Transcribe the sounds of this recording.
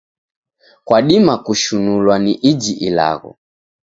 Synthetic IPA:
kwaɗimakuʃunulwaniʔid͡ʒiʔila̰ɣɔ̰

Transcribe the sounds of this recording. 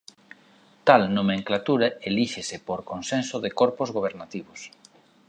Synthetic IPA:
t̪alnomeŋklat̪uɾaeliʃesepoɾkonsensoðekoɾpozɣoβeɾnat̪iβos

